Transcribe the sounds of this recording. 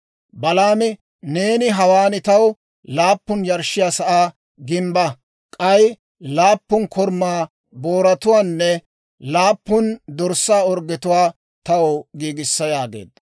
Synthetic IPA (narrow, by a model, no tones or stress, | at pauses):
bɐlaːmɪ | neːnɪɦɐwaːnɪt̪ɐw | laːpːʊnjɐɾʃɪjaːsɐʔaː | ɡɪmbɐ | kʼɐj | laːpːʊnkʰɔɾmːaː | boːɾɐt̪ʊwaːnːɛ | laːpːʊnd̪ɔɾsaːɔɾɡɛt̪ʊwaː | t̪ɐwɔɡiːɡɪsːɐjaːɡḛːd̪ːɐ